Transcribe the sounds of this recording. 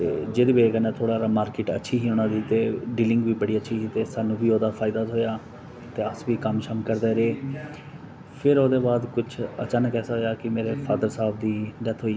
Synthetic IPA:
t̪ḛːd͡ʒeːd̪eːbeːkənɛ̃ːt̪ʰoːɽaːɾmaːɾkɪʈə̰tːʃʰiːɦiːʊnãːd̪iːt̪eːɖiːlɪ̃ŋɡʋiːbəɽiːətːʃʰiːsiːt̪eːsaːnːũːbiːoːd̪aːpʰaːɪd̪aːɦoːjaː | t̪eːəsʋiːkəmʃəmkəɾd̪eːɾeeː | pʰɪɾoːd̪eːbaːd̪kʊt͡ʃʰə̰t͡ʃaːnəkɛːsaɦoːjaːkɪmeːɾeːpʰaːd̪əɾsaːbd̪iːɖɛt̪ʰɦoːi

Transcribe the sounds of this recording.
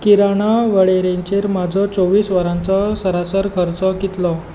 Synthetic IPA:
kiɾaɽ̃aʋəɭeɾeɲt͡ɕeɾmad͡zʱɔt͡soʋiːsʋəɾãnt͡sɔsəɾasəɾkʰəɾt͡sɔkit̪lɔ

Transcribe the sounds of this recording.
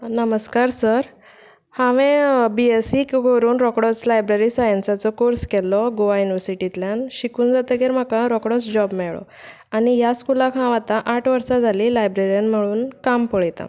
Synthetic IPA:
nəməskaɾsəɾ | hãʋẽbiesikɡʱoɾuːnɾɔkɽɔt͡slajbɾeɾisajənsat͡sɔkoɾskɛlɔɡoʋajuniʋəɾsiʈit̪ljanɕikuːnd͡zat̪əɡeɾm̤akãɾɔkɽɔt͡sd͡ʑɔbmɛɭɭɔ̰ | añiɦjaskulakɦãʋat̪ãʔaʈʰʋəɾsad͡zʱaliːlajbɾeɾijanm̤əɭuːnkampəɭjt̪a̰

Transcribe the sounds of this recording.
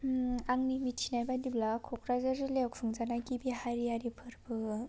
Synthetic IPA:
aŋnimitʰinajbadiblakʰɔkʰɾazaɾɯlewkfʰuŋzanaɡibiɦajɾijaɾipʰɯɾbɯ

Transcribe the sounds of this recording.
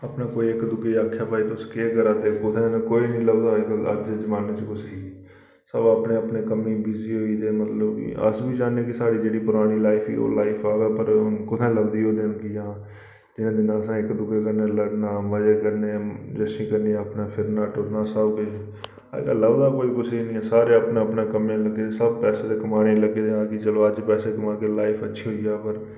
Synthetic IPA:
aːpnaːkoːiːɪkd̪ʊɡeːaːkʰːjaːpaːiːt̪ʊskeːkəɾaːt̪eːkʊt̪ʰẽːnkoːiːnĩːləɡd̪aːkə̰d͡ʒed͡ʒəmaːneːt͡ʃəkʊsiː | səbaːpneːəpneːkəmiːbiziːɦoːiːt̪eːmət̪ləbḭːə̰sbiːd͡ʒaːneːkɪsaːɽiːd͡ʒeːɽiːpʊɾaːñiːlaːɪpʰḭːo̰ːlaːipʰaːɡaːpəɾkʊt̪ʰẽːləɡd̪iːɦoːd̪eːnkɪjãː | d͡ʒɪnẽːd̪ɪnãːəsãːɪkd̪ʊbeːkəɾneːləɡnaːməd͡ʒeːkəɾneːd͡ʒɛːsĩːkəɾneəpnaːpʰɪɾnaːʈʊɾnãːsəbkḛ | ləɡd̪aːkoːiːkʊsiːnĩːɛːsaːɾeːəpnaːəpnãːkəmẽːləɡeːsəbpɛːseːd̪eːkəmaːnẽːləɡeːd̪eãːkɪt͡ʃəloːəd͡ʒpɛːseːkəmaːkeːlaːɪpʰətːʃʰiːɦoːiːaːpəɾ

